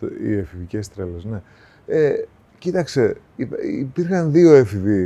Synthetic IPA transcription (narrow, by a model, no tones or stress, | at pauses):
ḭefivice̞st̪ɾelesne̞ | e | cit̪ɐkst̪e̞ipipiɾxɐnðio̞efivi